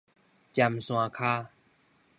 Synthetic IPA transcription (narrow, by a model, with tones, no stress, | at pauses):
t͡ɕja˧˩msw̃ã˧kʰaː˧